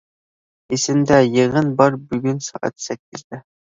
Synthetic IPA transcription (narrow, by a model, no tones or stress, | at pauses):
esɪmd̪ɛjɨʁənbɑɾbyɡʲynsɑ̰ːʔɑ̰t̪sɛkʲʰːizd̪ɛ